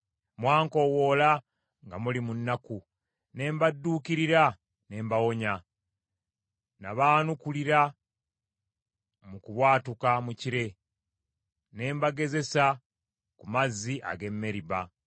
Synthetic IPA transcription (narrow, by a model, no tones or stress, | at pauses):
mwaːŋko̞ːwo̞la | ŋɡamulimunːaku | ne̞ːmbadːuːkiɾiɾa | ne̞ːmbawo̞ɲa | naβaːnukuliɾa | mukuβwaːtukamuciɾe̞ | ne̞ːmbaɡe̞ze̞sa | kumazːiʔa̰ɡe̞mːe̞ɾiβa